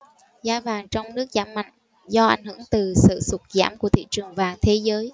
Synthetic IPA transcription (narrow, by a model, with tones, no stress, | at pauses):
zaː˧vaː˨˩ŋt͡ɕɔ˧wŋ͡mnɨ˦˥ək̚zaː˧˩mːa̰˧˨jŋ̟ | zɔ˧ʔa˧˩jŋ̟hɨ̰˧˥əŋt̪ɨ˨˩sɨ̰˧˨su˨˩t̚za̰ː˧˥˩mku˧˩ət̪ʰḭ˧˨t͡ɕɨ˨˩əŋvaː˨˩ŋt̪ʰe˨˦zəː˨˦j